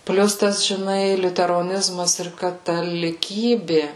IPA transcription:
ˈpʲlʲʊs ˈtɐs ʒʲɪˈnɐɪ lʲʊtʲɛroːˈnʲɪzmɐs ɪr kɐtɐlʲɪˈkʲiːbʲɪ

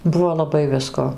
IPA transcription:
ˈbʊʋoː lˠɐˈbɐɪ ˈʋʲɪskoː

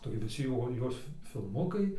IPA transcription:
tɐɪɡʲɪ ʋʲɪˈsʲɪ joː ˈjoːs fʲɪ fʲɪlˠˈmʊkɐɪ

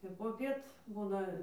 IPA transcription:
ɪr poːˈpʲiɛt ˈbuːnɐ

